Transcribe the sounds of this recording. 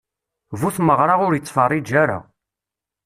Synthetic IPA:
vuθməʁɾˤɑʁʊɾjət͡sˤːfɑrˤːid͡ʒːæɾa̰

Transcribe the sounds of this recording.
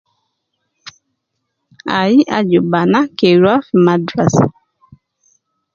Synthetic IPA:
aiʔa̰d͡ʒubanakeɾafimadɾasa

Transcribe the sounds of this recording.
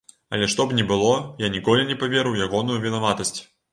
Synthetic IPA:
ɐ̰lʲɛʂt̪ɔbnʲɛbɨlˠɔjanʲikɔlʲinʲɛpavʲɛɾɨwjaɣɔnujuvʲɛnavat̪ɐsʲt͡sʲ

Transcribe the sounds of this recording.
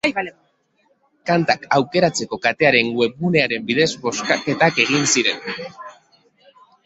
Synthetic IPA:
kant̪akawke̞ɾat͡se̞ko̞kat̪e̞aɾe̞ŋɡwe̞βune̞aɾe̞mbiðe̞zbo̞skake̞t̪ake̞ɣ̞insiɾe̞n

